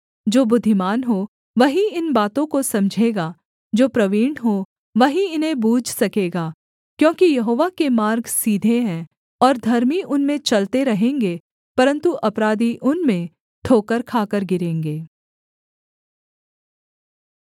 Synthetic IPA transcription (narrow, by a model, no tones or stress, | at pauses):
d͡ʒoːbʊd̪ʱːɪmaːnɦo | ʋɐɦiɪnbaːt̪õkosɐ̃md͡ʒʱeːɡaː | d͡ʒoːpɾɐʋiːɽɦo | ʋɐɦiɪnɦẽbuːd͡ʒʱsɐkeːɡaː | kjõːkijɐɦoːʋakemaːɾɡsiːd̪ʱeɦɛ̃ː | ɔːɾd̪ʱɐɾmiʔʊnmẽt͡ʃɐlt̪eɾɐɦẽːŋɡeː | pɐɾə̃nt̪uʔɐpɾaːd̪iʔʊnmẽ | ʈʰoːkəɾkʰaːkəɾɡɪɾẽːŋɡeː